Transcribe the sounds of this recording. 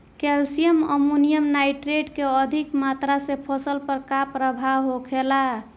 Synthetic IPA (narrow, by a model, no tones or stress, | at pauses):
kelsijəmə̰munijəmnajʈɾeʈkeəd̪ʱikmat̪ɾasepʰəsəlpəɾkapɾəbʱaɦokʰela